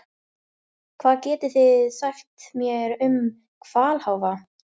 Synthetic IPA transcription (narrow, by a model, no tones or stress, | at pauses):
kʰvaːðcɛːt̪ɪθɪðsaxt̪mjɛɾʏm | kʰv̥aːlhawva